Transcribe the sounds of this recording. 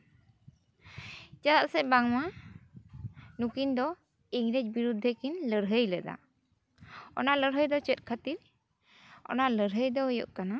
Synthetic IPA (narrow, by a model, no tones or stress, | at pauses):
t͡ʃad̪at̪̚sɛbaŋma | nukind̪ɔ | iŋɾɛc̚biɾud̪ʱːəkinləɾɦəjlɛd̪a̰ | ɔ̰naʔləɾɦəjd̪ɔt͡ʃɛt̪̚kʰat̪iɾ | ɔ̰naʔləɾɦəjd̪ɔɦɔjɔ̰ʔkana